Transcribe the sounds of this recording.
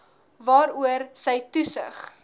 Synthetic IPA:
vɑːɾuərsəjtusə̰χ

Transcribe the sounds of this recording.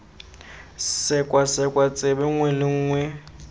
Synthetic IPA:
sɪkʼwasɛkʼwat͡sʼɪbɛŋwɛlɪŋ̩ːŋwɛ

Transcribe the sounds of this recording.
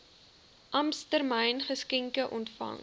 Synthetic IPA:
ʔɐmstərmɛjnχəskɛŋkəʔɔntfɐ̰ŋ

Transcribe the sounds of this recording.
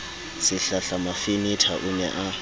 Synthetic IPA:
sɪɬaɬamafinitʰaʔunɛʔa

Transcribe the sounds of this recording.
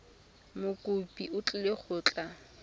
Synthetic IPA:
mʊkʼʊpʼiʊt͡ɬʼʊleχʰʊːt͡ɬʼa

